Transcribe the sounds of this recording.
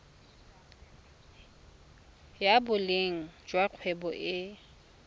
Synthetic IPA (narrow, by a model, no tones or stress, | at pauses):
jabʊleŋ̩d͡ʒwaq͡χʰwɛbɔʔɪ